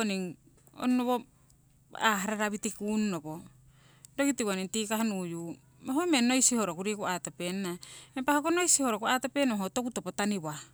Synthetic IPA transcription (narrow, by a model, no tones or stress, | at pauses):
oniŋ | o̰nnoβo | aɦaɾaɾaβitikunnopo | doɡitiβoniŋtikahanuju | moɦomenojsiho̞ɾokuɾikuatopennaempahokonojsiho̞ɾokuatopenoɦotokutopotaniβa